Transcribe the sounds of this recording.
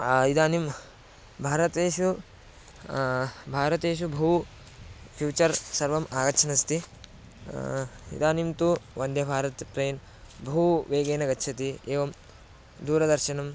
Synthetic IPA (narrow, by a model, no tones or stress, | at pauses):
id̪aːnim | bʱaːɾɐt̪eːʃu | bʱaːɾɐt̪eːʃubʱɐu | pʰjuːt͡ʃɐɾsɐɾʋɐmʔaːɡɐtːʃʰɐnɐst̪i | ḭd̪aːnimt̪uʋɐnd̪ʱjɐbʱaːɾɐt̪pɾeːn | bʱuwʋeːɡeːnɐɡɐtːʃʰɐt̪ieːʋɐm | d̪uːɾɐd̪ɐɾʃɐnɐm